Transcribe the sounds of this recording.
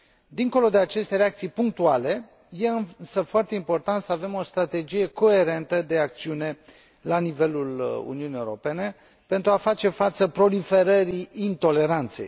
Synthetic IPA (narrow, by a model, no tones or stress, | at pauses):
d̪iŋko̞lo̞d̪e̞at͡ʃe̞st̪e̞ɾeakt̪sijpuŋk̚t̪uale̞ | je̞ɨnnsəfoart̪e̞impo̞rt̪ant̪səave̞mo̞st̪ɾat̪e̞d͡ʒije̞ko̞e̞ɾe̞nt̪əd̪e̞ak̚t̪siune̞ | lanive̞lulṵniunijeuɾo̞pe̞ne̞ | pe̞nt̪ɾuafat͡ʃe̞fat̪səpɾo̞life̞ɾəɾiint̪o̞le̞ɾant̪se̞̰j